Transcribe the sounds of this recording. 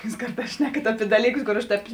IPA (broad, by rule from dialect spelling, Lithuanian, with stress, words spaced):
juːs ˈkɐrˌtɑːs ˈʃʲnʲæːkɐt ˈɑːpʲɪ ˈdɑːlʲiːˌkʊs koːr ˈɐʃ ˈtʲɛːp